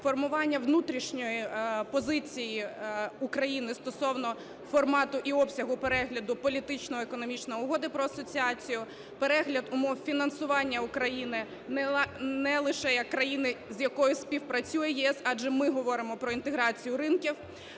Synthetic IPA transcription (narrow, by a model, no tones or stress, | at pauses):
fɔrmʊʋɑnʲːɐʋnut̪ɾʲiʃnʲɔjipɔzɪt͡sʲijiʊkɾɐjinɪst̪ɔsɔwnɔ | fɔrmɑt̪ʊʔiɔpsʲɐɦʊpeɾɛɦlʲɐd̪ʊpɔlʲit̪ɪt͡ʃnɔekɔnɔmʲit͡ʃnɔjʊɦɔd̪ɪpɾɔɐsɔt͡sʲiɑt͡sʲijʊ | peɾɛɦlʲɐd̪ʊmɔwfʲinɐnsʊʋɑnʲːɐʊkɾɐjinɪ | nnɛlˠɪʃɛjɐkːɾɐjinɪzjɐkɔjʊsʲpʲiwpɾɐt͡sʲujɛjɛɛsɑʒɛmɪɦɔʋɔɾɪmɔpɾɔint̪eɦɾɑt͡sʲijʊɾɪnkʲiw